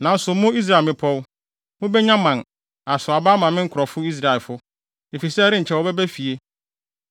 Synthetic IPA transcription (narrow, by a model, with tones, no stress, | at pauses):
nã˨n̩˦sʊ˨mʊ̃˦i˦s̬ɾa˦˨mɪ̃˨pʰɔ˦w | mʊ̃˦bɛ˦ɲã˦mã˨n | a˨sʊ˨a˨baː˦mã˨mɪ̃˦ŋ̩˦kʰɾɔ˨fʊ˦i˦s̬ɾa˦e˨lfʊ˦ | e˨fi˨sɛ˦ɾɪ̃˦ɲ̩˨t͡ɕʰɛ˨˦wɔ˨bɛ˦bæ˦fi˨e˦